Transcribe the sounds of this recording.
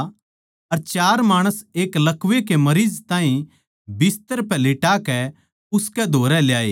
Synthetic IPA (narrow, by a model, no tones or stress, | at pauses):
ɐɾt͡ʃaːɾmaːɽ̃əseːklɐkʋekemɐɾizt̪aːɦĩ | bɪst̪əɾpɛlɪʈakɛ | ʊskɛd̪ʱoːɾɛljaːḛː